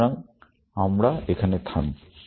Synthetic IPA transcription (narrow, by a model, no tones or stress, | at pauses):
aŋ | amɾaekʰanet̪ʰan